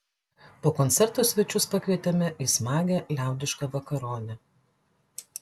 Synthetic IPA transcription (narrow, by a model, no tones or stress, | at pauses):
poːkɔnʲt̪sʲɛɾt̪oːsʲʋʲɛt͡ʃʲʊspɐkʲʋʲiɛt̪ʲɛmʲɛʔiːˑsmɑːɡʲɛlʲæˑʊd̪ʲɪʃkɐʋɐkɐɾoːnʲɛ